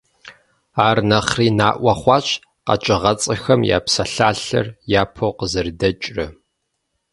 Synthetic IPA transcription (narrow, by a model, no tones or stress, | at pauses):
aːrnɐχriːnaːʔʷɑχʷɑːɕ | qɐ̰t͡ʃʼɪʁɐt͡sʼɐxɐmja̰ːpsɐɬaːɬɐ̰rjaːpʰowqəzɨrdɐt͡ʃʼrɐ